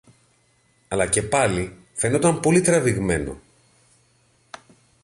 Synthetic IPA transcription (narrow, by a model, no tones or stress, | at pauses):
ɐlɐce̞pɐli | fe̞no̞t̪ɐmpo̞lit̪ɾɐviɣme̞no̞̰